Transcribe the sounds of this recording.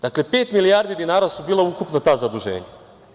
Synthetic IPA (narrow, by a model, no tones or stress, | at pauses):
d̪̥akle̞pe̞ːt̪milijaːɾd̪id̪inaːɾasubiːlaukupnat̪aːzad̪uʒe̞̰ːɲa